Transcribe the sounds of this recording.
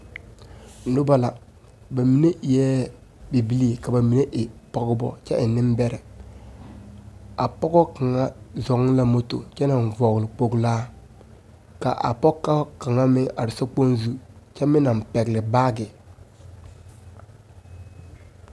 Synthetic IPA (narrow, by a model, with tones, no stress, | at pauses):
nʊ˦ba˦la˨ | ba˨mi˨ne˦ʔi˨jɛ˦ | bi˨bi˦li˦e˨ka˨ba˨mi˨ne˦ʔɪ˨pɔ˦ɡɪ˦bɔ̰˨t͡ʃɛ˦ʔɪ˨nːɪ˦mbɛ˦ɾɛ˨ | a˨pɔ˦ɡɔ˦ka˨ŋa˦zɔ˨ŋ˦la˦mo˦to̰˨t͡ʃɛ˦na˨n˨vɔ˨ɣlɪ˨k͡po˨ɡlaː˦ | ka̰˨ʔa̰˨pɔ˦kːa˦ka˨ŋa˦mɪ˦ʔa˨ɾɪ˨sa˦k͡po˦nzu˦t͡ʃɛ˦mɪ˦na˨m˨pɛ˨ɡlɪ˨baː˦ɡɪ˨